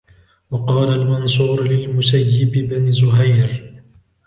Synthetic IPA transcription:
wɑqɑːlalmans̬ˤuːɾlɪlmʊsajːɪbɪbanzʊɦajɾ

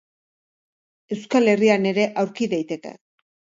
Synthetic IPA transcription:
e̞wskale̞riane̞ɾe̞ʔawɾkiðajt̪e̞ke̞̰

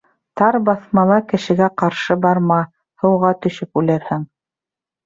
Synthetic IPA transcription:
t̪ɑɾbɑθmɑlˠɑkɘ̆ʃɘ̆ɡæqɑɾʃɤbɑɾmɑ | hɤ̆wʁɑt̪ɵ̆ʃɵpʉlæɾhɘŋ

